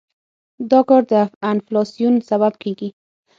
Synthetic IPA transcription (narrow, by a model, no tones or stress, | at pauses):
d̪ɔkɔɾd̪əaanflɑsijunsaβabkʰeɡi